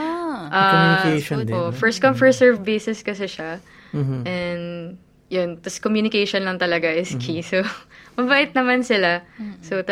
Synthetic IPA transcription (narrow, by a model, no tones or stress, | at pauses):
ʔajkeʃd̪oʔfɛɹst̪kɐmfɛɹsɛɹvbejsɛskɐsɛʃa | ʔɛnd̪ | jʊnt̪ɐskomjuːnɪkejʃɔnlɐŋt̪ɐlɐɡaʔɪskʰisomɐbaːʔɪt̪̚nɐmansɪlasot̪